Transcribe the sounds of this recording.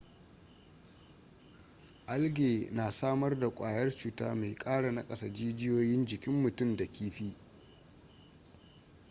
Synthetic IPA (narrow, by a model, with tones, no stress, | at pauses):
ʔa˦lɡʲeː˨naː˨saː˦mɐ˦rda˨kʷʼaː˨jɐ˦rt͡ʃuː˦ta̰ː˦me˨jkʼaː˦ɽa˨na˦kʼɐ˦sɐ˨d͡ʒiː˦d͡ʒɪ˦joː˦jɪ˦nd͡ʒɪ˨kʲɪ˦mːʊ˨tʊ˦mda˨kʲʰiː˦ɸiː˦